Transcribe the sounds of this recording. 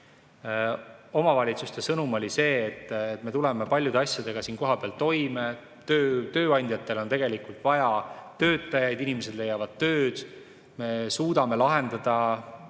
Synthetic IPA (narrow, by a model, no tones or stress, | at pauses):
o̞mɑvɑlʲit̪sust̪e̞sɤnumo̞lʲise̞ːt̪ːˑet̪me̞t̪uleɛme̞pɑlʲjud̪eɑsjɑd̪e̞ɡ̥ɑsiːnko̞ɦɑpeɑlt̪o̞jme | t̪øːt̪ø̞ːɑnʲd̪jɑt̪ːˑe̞lo̞nt̪e̞ɡe̞likult̪vɑjɑt̪ø̞ːt̪ːˑɑjɑjd̪̥inime̞s̬e̞d̪le̞jːɑvɑd̪̥̚t̪ːø̞ːd̪̥ | me̞suːd̪ɑme̞lɑɦe̞nd̪̥ɑd̪̥ɑ